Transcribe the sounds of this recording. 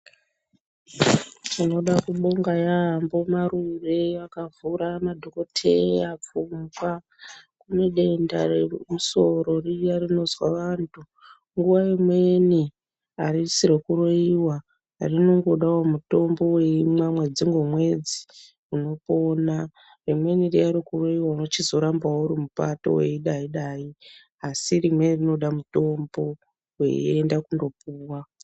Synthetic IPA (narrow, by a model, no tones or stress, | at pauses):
tino̞ɗakuɓo̞ŋɡajambomaɾureʋakavuɾamadʱo̞ko̞tʰḛap͡fumɡwa | kune̞ɗe̞ndaremuso̞ɾo̞rijarino̞zwaʋantʰu | ŋɡuʋaimwe̞ni | arisiɾekuɾoiwa | rino̞ŋɡo̞ɗawomuto̞mbo̞weimwamwe̞d͡ziŋɡwo̞mwe̞d͡zi | uno̞po̞na | remwe̞nirijaɾikuroiwauno̞t͡ʃizo̞ɾambaouɾimupato̞̰wḛiɗaiɗaːi | asirimwe̞nirinoɗamuto̞mbo̞ | wḛendakundo̞puːwa